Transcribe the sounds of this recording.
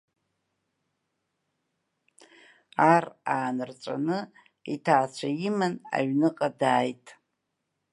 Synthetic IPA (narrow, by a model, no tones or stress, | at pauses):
araːnɨrt͡sʷʼa̰nɨ | itʰaːt͡ɕʷʰajimana̰ɥnɨqʼadaːjtʼ